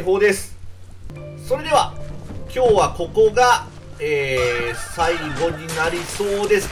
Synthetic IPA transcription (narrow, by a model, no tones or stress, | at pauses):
ɦo̞ːd̪e̞sɨ̥ | so̞ɾe̞d̪e̞βakʲo̞ːβako̞ko̞ɡa | eːsaiɡo̞ɲ̟inaɾʲiso̞ːd̪e̞sɨ̥